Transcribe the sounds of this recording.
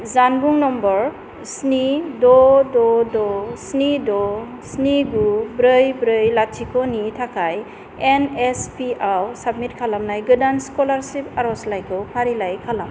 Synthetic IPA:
zanbuŋnɔmbɔɾ | snidɔdɔdɔsnidɔ | sniɡubɾɯjbɾɯjlatʰikʰonitʰakʰaj | enespiawsab̚mit̚kʰalamnajɡɯdanskolaɾsipaɾɔslajkʰɯpʰaɾilajkʰalam

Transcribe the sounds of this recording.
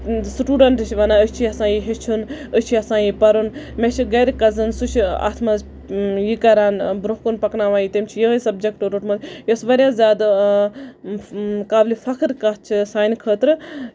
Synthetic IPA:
sʈuːɖɐɳʈɨʃʰʋɐnaət͡ʃʰiɐsãːjiɦet͡ʃʰunət͡ʃʰiɐsãːjipɐɾunmet͡ʃʰiɡɐɾkɐzɨnsut͡ʃʰa̰ːt̪ʰmɐz | jikɐɾaːnbɾoɦkunpɐknaːʋaːjit̪emt͡ʃʰijəɦəsɐbd͡ʒekʈoɾuʈmɐzjosʋɐɾjaːzʲjaːd̪ | kaːblifɐkʰɾkɐt͡ʃʰisaːjnkʰəːt̪ɾɨ

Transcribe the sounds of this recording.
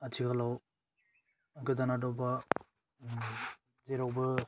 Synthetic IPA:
atʰikalaw | ɡɯdanadɔwba | zeɾawbɯ

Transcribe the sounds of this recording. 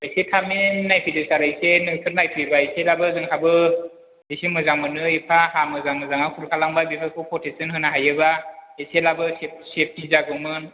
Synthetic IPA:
ajsetʰamenːajpʰɯjdɯsaɾajsenɯŋsʰɯɾnajpʰɯjbaeselabɯzɯŋhabɯ | ejsemɯzaŋmɯnɯepʰahamɯzaŋmɯzaŋakʰuɾkʰalaŋbabipʰakʰɔpʰɔtesɯnhɯnaɦajɯbaeselabɯsep̚sep̚tizaɡɯmɯn

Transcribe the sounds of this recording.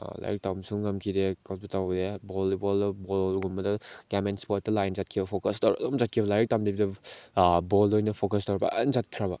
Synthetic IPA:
la̰jɾik̚tawmsuŋːɐmkʰidekapɐtawbɐdebolbolbolɡummɐdɐɡamenspɔt̚ːɐlajnzat̚kʰibɐpʰokɐstawɾdɔmzat̚kʰibɐlaɾik̚tamdibidɐ | bɔlojnɐpʰokɐstawɾbɐ̰nzat̚kʰiɾabɐ

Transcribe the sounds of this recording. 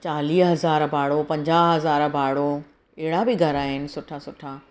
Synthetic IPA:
t͡ɕaːliːɦɐzaːɾbʱaːɽopɐ̃ɲd͡ʑaːɦɦɐzaːɾbʱaːɽo | ɛɦɪɽabɪɡʱɐɾaːɦɪnɪ̆sʊʈʰasʊʈʰaː

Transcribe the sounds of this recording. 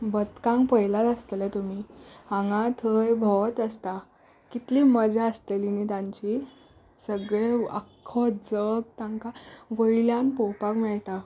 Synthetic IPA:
bət̪kãŋkpəjlat̪əst̪let̪um̤ihãŋɡãt̪ʰəjbʱɔt̪əst̪a | kit̪liːməd͡zʱaəst̪elinit̪ãɲt͡ɕi | səɡɭeə̰kʰːɔtd͡zəɡ̚t̪ãŋkaʋəiljãnpɔwpakmɛɭʈa

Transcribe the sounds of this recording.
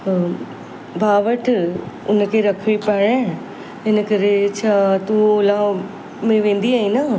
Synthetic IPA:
bʱaːʋəʈʰʊnkʰeɾɐkʰʋipɐɽ̃e | ɪnəkəɾet͡ɕʰaːt̪uoːlã | mẽʋẽːnd̪iaːinaː

